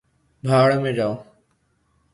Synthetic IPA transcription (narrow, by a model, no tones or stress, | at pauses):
bʱaːɽəmẽːd͡ʒaːoː